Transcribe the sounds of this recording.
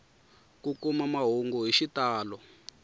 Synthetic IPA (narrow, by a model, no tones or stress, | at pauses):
kukumamaɦuŋɡuɦiʃitaːlɔ